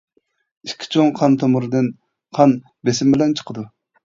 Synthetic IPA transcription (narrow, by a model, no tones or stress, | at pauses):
iʃkʲʰːi̥t͡ʃʰoŋqʰɑnt̪ʰomuɾɨd̪ɨn | qʰɑn | besɪmbɪlɛnt͡ʃʰə̥qʰəd̪u